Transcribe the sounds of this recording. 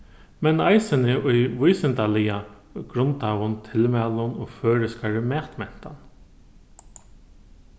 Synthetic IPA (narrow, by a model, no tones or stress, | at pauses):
mɛnajsɪnɪʔʊjʋʊjsɪnt̪alɪja | ɡɾʊnt̪aːwʊnt̪ʰɪlmæːlʊnɔːføːɾɪskaɹɪmɛːt̪mɛn̥t̪an